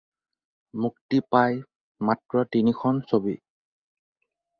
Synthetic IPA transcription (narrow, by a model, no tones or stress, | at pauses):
muktipaj | matɹɔtinikʰɔnsobḭ